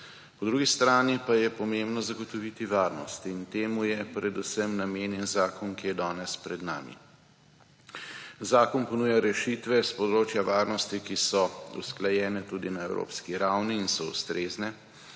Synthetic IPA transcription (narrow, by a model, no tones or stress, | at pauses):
pɔd̪ɾuɡist̪ɾaːnipajɛpɔmembnɔzaɡɔt̪ɔʋit̪iʋaːɾnɔst̪int̪eːmujɛpɾɛd̪usəmnameːnjɛnzaːkɔnkijɛd̪ɔːnɛspɾɛd̪na̰ːmḭ | zaːkɔnpɔnuːjaɾɛʃit̪ʋɛspɔd̪ɾoːt͡ʃjaʋaːɾnɔst̪ikisɔṵsklajɛːnɛt̪ud̪inaɛwɾo̰ːpskiɾawniːnsɔṵst̪ɾeːznɛ